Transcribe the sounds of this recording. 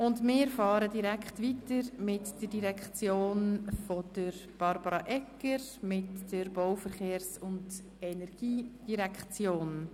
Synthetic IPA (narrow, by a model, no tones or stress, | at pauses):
ʊndmɪːɾfɑːɾədiɾækχtʋitəɾmɪtd̥ədiɾɛkχt͡sjoːnfɔd̥əɾb̥ɑɾbɑɾɑʔɛkəɾmɪtd̥əɾbowfəɾχeːrsʊnd | ɛnɛɾɡ̥iːd̥iɾɛkt͡sjoːn